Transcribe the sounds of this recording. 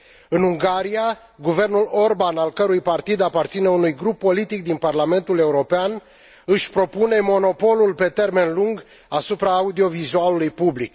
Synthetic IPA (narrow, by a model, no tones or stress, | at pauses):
ɨnuŋɡaɾia | ɡuve̞rnulo̞rbanalkəɾujpart̪id̪apart̪sine̞unujɡɾupːo̞lit̪ikd̪inparlame̞nt̪ule̞uɾo̞pean | ɨʃʲpɾo̞pune̞mo̞no̞po̞lulpe̞t̪e̞rme̞nluŋɡ | asupɾaːud̪io̞vizualulujpublik